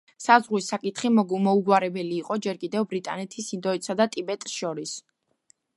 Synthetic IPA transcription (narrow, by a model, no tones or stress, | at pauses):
sazʁwisakʼit̪ʰχimɔɡmɔuɡwaɾɛbɛliːqʼɔd͡ʒɛɾkʼid̪ɛvbɾit̪ʼa̰nɛt̪ʰisind̪ɔit̪sad̪at̪ʼibɛt̪ʼsʃɔɾis